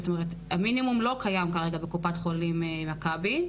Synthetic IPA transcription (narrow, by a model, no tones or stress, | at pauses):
sot̪ome̞ʁet | haminimumlo̞kajamkaʁe̞ɡabekupatχo̞limmakabi